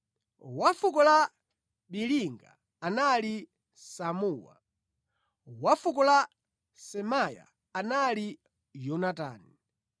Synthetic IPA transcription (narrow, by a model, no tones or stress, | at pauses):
wafukɔla | ɓiliŋɡa̰ː | nali | samuːwa̰ | wafukɔla | sɛmaja̰ː | nali | jɔnata̰ːni